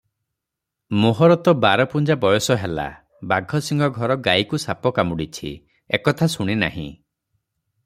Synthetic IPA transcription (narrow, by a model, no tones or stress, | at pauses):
moɦɔɾɔt̪ɔbaɾɔpund͡ʒabɔjɔsɔɦela̰ | baɡʱɔsiŋɡʱɔɡʱɔɾɔɡajkusapɔkamuɽit͡ʃʰḭ | ekɔt̪ʰasuɽ̃ina̰ɦĩ